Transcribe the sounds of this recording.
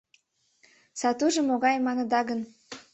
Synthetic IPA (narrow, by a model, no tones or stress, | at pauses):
sɑt̪uʒəmoɣɑjmɑnəd̪ɑɣən